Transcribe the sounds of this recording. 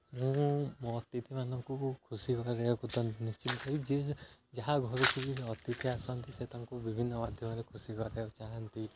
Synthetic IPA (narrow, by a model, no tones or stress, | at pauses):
mũmɔt̪it̪ʰimanɔŋkukʰusikɔɾɾekut̪ɔnist͡ʃit̪ɔk̪ʰɔɾid͡ʒed͡ʒaɦaɡʱɔɾɔk̪ʰubiɔt̪it̪ʰiasɔnt̪iset̪ãŋkubibʱinːɔmad̪ʱjɔmɔɾekʰusikɔɾet͡ʃaɦant̪i